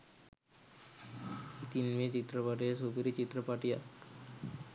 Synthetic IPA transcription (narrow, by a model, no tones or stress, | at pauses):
it̪inʋet͡ɕit̪ɾəpaʈijasubɾit͡ɕit̪ɾəpaʈija̰k